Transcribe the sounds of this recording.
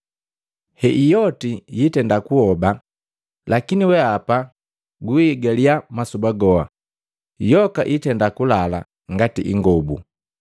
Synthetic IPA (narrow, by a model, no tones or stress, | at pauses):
hɛʔijɔtijitɛndakuhɔba | lʔakiniwɛapa | ɡuiːɡaliamasubaɡɔa | jɔkaʔitɛndakulala̰ | ŋɡatḭʔḭŋɡɔbṵ